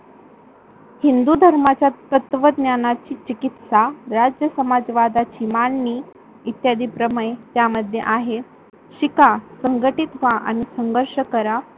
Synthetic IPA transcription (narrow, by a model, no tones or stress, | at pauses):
hind̪ud̪ʱəɾmat͡ɕjat̪ət̪ʋəd̪njanat͡ɕiːt͡ɕikit̪saɾad͡ʑjəsəmad͡zʋad̪at͡ɕiːmanːiː | t̪jad̪iːpɾəməet̪jaməd̪ʱjḛʔaɦe | ɕikasəŋɡəʈit̪ʋaʔa̰ɽ̃isəŋɡəɾʂəkəɾa